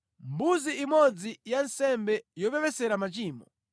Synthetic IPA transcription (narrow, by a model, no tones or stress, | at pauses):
mbuziːmɔd͡zijansɛmbɛjɔpɛpɛsɛɾamat͡ʃiːmɔ̰